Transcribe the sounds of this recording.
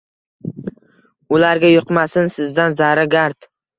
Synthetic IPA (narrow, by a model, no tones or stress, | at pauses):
ʊlaɾɡʲajoqmasɪnsɪzd̪anzaɾaɡʲaɾt̪